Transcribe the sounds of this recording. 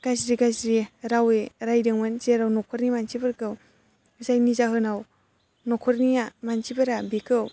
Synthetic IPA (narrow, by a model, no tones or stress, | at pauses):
ɡ̥azɾiɡazɾiɾaweɾajdɯŋmɯnzeɾawnɔkʰɔɾnimant͡ʃibɯɾkɯw | ɯzajnizaɦɯnaw | nɔkʰɔɾnijamant͡ʃʰibɯɾabikʰɯw